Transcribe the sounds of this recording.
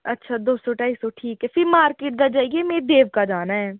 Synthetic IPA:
ɐtːʃʰad̪oːst̪oʈaːisoʈʰiːkɦɛfɪɾmaːɾkeːʈ̚d̪ad͡ʒaːiɡemeːɾd̪eːʋkad͡ʒaːnaɦɛː

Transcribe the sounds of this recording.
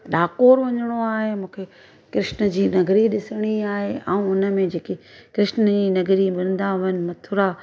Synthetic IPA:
ɗaːkoːɾʋɐɲəɽ̃oaːɦemũːkʰe | kɾɪʃnəd͡ʑiːnɐɡɾiɗɪsəɽ̃iaːɦeaːũʊnə̆mẽd͡ʑeːkekɾɪʃnəd͡ʑiːnɐɡɾimɪɾə̃nd̪aʋənɪ̆mɐt̪ʰʊɾa

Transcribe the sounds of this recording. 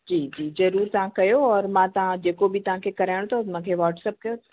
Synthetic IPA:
d͡ʑiːd͡ʑiːzɐɾuːɾt̪ɐʋ̤ãkɐjoɔːɾmãt̪ɐʋ̤ãd͡ʑeːkobɪt̪ɐʋ̤ãkʰekɐɾaːɪɽ̃t̪ʰomãkʰeʋɔːʈsəp̚kɐjot̪

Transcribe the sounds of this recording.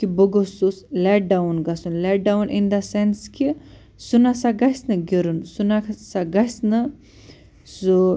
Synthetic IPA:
kibəɡosusleʈ̚ɖawnɡɐsunleɖawnind̪ɐsenski | sunasaɡɐsnɨɡʲeɾunsunasaɡɐsnɨ | su

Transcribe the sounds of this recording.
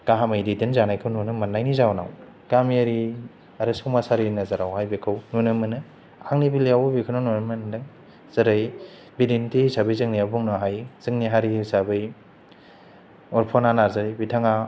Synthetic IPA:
ɡaɦamajdidinzanajkʰɯwnunɯmanːajnizawna̰w | ɡ̥amiaɾi | aɾɯsowmasaɾinazaɾawhajbikʰɯwnunɯmɯnɯ | aŋnibiliawbikʰɯnanunɯmɯndɯŋ | z̥ɐɾɯj | bidintisabɯjzɯŋniabuŋnɔɦajz̥ɯŋniɦaɾisabɯj | ɔɾpʰonanaɾzajbitʰaŋa

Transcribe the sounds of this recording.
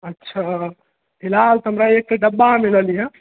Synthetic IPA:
ətːʃʰa | ɦilalt̪əmɾaek̚t̪eɖəbːamiləlijə

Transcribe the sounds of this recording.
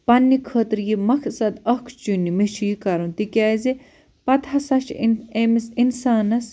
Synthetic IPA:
pɐnːikʰəːt̪ɾjimɐkʰsɐd̪ɐkʰt͡ʃunːimeʃʰiikɐɾũnt̪ikʲaːzi | pɐt̪ʰɐsɐʃemisinsaːnɐs

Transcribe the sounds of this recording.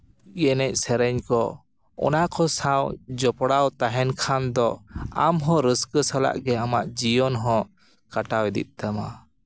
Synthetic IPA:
jɛnɛc̚ˀsɛɾɛɲkɔ | ɔ̰nakʰɔsawd͡ʒɔpɔɽawt̪aɦɛnkʰand̪ɔa̰mɦɔ̃ɾəskəsala̰ʔɡɛamaʔd͡ʒijɔnɦɔ̃ | kaʈawɛd̪ḭt̪̚t̪ama̰

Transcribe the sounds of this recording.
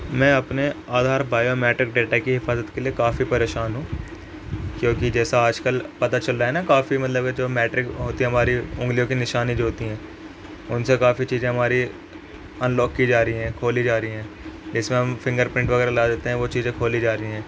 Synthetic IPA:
mɛ̃ɐpneaːd̪ʱaːɾbaːjomɛːʈɾɪk̚ɖeːʈakiɦɪfaːzət̪keliekaːfipɐɾeːʃaːnɦũː | kjõːkid͡ʒɛːsaaːd͡ʒkəlpɐt̪at͡ʃɐlɾaɦɛnakaːfimɐt̪ləb̚ked͡ʒoːmɛːʈɾɪkɦoːt̪iɦɛɦɐmaːɾiʊ̃ŋɡlijõkinɪʃaːnid͡ʒoɦoːt̪iɦɛ̃ː | ʊnsekaːfit͡ʃiːzẽɦɐmaːɾi | ɐnlɔːkːid͡ʒaːɾəiɦɛ̃ːkʰoːlid͡ʒaːɾəiɦɛ̃ː | d͡ʒɪsmẽɦɐmfɪ̃ŋɡəɾpɾɪ̃ɳʈʋɐɣɛːɾalaːd̪eːt̪eɦɛ̃ʋot͡ʃiːzẽkʰoːlid͡ʒaːɾəiɦɛ̃ː

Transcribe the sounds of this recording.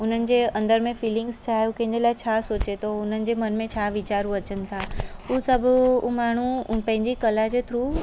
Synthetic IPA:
ʊn̤ənɪ̆d͡ʑeːɐ̃nd̪əɾmẽfiːlɪ̃ŋɡzt͡ɕʰaːjoukɐ̃ɦɪ̃nd̪elaːɪt͡ɕʰaːsoːt͡ɕet̪oʊn̤ənɪ̆d͡ʑeːmɐnmẽt͡ɕʰaːʋit͡ɕaːɾũɐt͡ɕənɪ̆t̪ʰaːuːsɐbʱʊmaːɳ̤upɐ̃ɦɪ̃ɲd͡ʑikɐlad͡ʑeːt̪ʰɾuː

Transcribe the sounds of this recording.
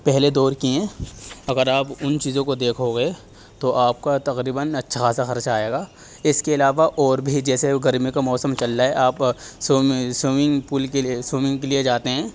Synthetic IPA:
pɛɦled̪ɔːɾkiɦɛ̃ːɐɡəɾaːpʊnt͡ʃiːzõkod̪eːkʰoɡe | t̪oʔaːp̚kat̪ɐqɾiːbənɐtːʃʰaaːsaxɐɾt͡ʃaːeːɡaː | ɪskeɪlaːʋaʔɔːɾbʱid͡ʒɛːseɡɐɾmikamɔːsəmt͡ʃɐlːaɦɛʔaːpsoːsoːmɪ̃ŋɡpuːlkesoːmɪ̃ŋɡkelied͡ʒaːt̪eɦɛ̃ː

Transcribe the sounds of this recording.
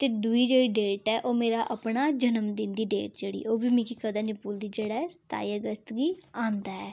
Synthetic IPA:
t̪eːd̪ʊiːd͡ʒeːɽiːɖeːʈɛːʔoːmeːɾaːʔəpɳaːd͡ʒənəmd̪ɪnd̪iːɖḛːʈ̚d͡ʒeːɽḭːʔoːbiːmĩːkikəd̪aːnɪpuːld̪iːd͡ʒeːɽaːɛsə̥t̪a̰ːiːəɡəst̪ɡiːãːnd̪aːɛː

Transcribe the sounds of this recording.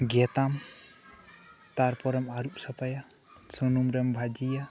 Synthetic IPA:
ɡɛt̪am | t̪aɾpɔɾɔmaɾup̚sɔpaja | sɔnumɾɛmbʱad͡ʒija

